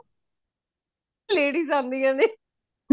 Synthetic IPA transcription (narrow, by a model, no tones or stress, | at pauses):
leːɖiːzãːnd̪iːãːne